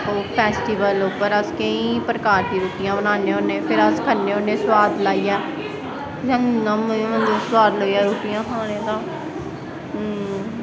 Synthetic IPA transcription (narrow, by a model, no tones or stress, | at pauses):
oːpʰɛːsʈiːʋəloːpəɾəskəĩːpɾəkaːɾt̪ĩːɾuːtijãːbənaːneːɦoːneːpʰɪɾəskʰənːeːɦoːnẽːswaːd̪laːiːjɛː | d͡ʒənãːmːmənd̪õːswaːd̪loːiːaːɾoːtijãːkʰaːɽ̃ẽːt̪ãː